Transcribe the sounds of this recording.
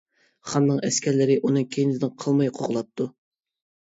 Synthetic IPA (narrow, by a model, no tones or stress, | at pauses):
χɑnːɨŋɛskʲʰɛɾlɪɾɪʔunɨkʲʰenɪzd̪nɪŋqʰəlˠmɑjqʰoʁlˠɑp̚t̪ʰu